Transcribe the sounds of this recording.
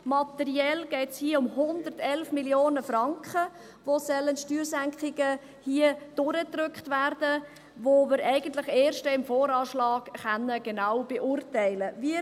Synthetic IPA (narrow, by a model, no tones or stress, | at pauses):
mɑtɛɾiɛlɡ̥ɛːtshiʊmhʊnd̪ərtɛlfmiljoːnəfrɑŋkχə | ʋosœlːənʃtyːɾsæŋkχɪɡə | hiəd̥ʊɾətɾʏkχtværdə | ʋomɪɾʔɛɪɡ̥əntlɪχeːɾʃtəɪmfoːɾɑːʃlɑːɡ̥χɛnːəɡ̥enawb̥eʔuːrtɛɪləviə